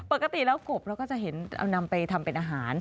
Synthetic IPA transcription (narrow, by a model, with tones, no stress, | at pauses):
po˨˩ka˧t̪i˨˩lɛː˦˥wko˨˩pp̚ːɾɛ˦˥kɔː˥˩t͡ɕa˨˩ɦe˩˦na̰˧wna˧mpa˧jt̪ʰa˧mpe˧nʔaː˧ɦaː˩˦n